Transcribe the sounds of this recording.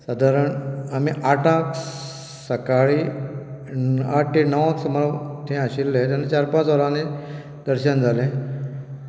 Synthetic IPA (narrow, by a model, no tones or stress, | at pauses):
sad̪ʱaɾəɳamiʔaʈʰãk | səkaɭiː | a̰ʈʈːinəʋãksəmɾət̪ʰẽaɕilːẽt̪̬anːet͡ɕaɾpãt͡səɾãne | d̪əɾɕənd͡zʱalẽ